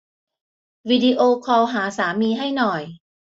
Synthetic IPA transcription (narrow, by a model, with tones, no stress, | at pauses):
wi˧di˧ʔoː˧kʰɔː˧wɦaː˩˦saː˩˦miː˧ɦa˥˩jnɔ˨˩j